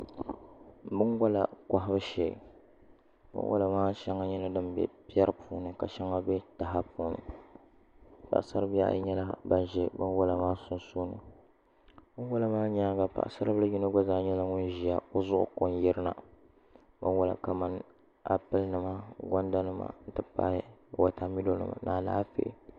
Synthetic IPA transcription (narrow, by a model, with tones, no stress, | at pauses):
bɨ˦nɡʷa˦la̰˨ka˦ɦa˦bɨ˦ʃḛ˨ | bɨ̰˦nwʔa̰˦la˨maː˦ʃɛ˦ŋa˦ɲɛ˦la˦dɨ˦mbɛ̰˦pi˦ɛ˦ɾɨ˦pʰuː˨nɨ˨ka˨ʃɛ˦ŋa˦bɛ˦ta˨ɦa˦puː˨nɨ̰˨ | pa̰˨ʔsa˦ɾɨ˦bja̰˦ɲɛ˦la̰˦ba˦n˦ʒɛ˦bɨ˦nwa˦la˨maː˦sʊ˦nsu˦nɨ̰˨ | bɨ˦n˦wo˦la˦maː˦ɲa˦ɡa˨pa̰˨ʔsa˦ɾɨ˦bɨ˦lɨ˦ji˦nɨ˦ɡʷa˦zaː˨˦ɲɛ˦la˦ŋʊ˦n˦ʒi˨a˨o˦zʊ˦ʔʊ̰˦ko˨n˦jɛ˦ɾɨ˦na̰˨ | bɨ˦wa˦la̰˨ka˨ma˦n | a̰˦pɨ˦lnɨ˨ma˦ɡɔ˦nda˦nɨ˦ma̰˨n̩˦tɨ˦pa̰˦ɪ˦˨wa˨ta˨mi˦do˦nɨ̰˦ma̰˨naː˨laː˦fḛ˦ʔ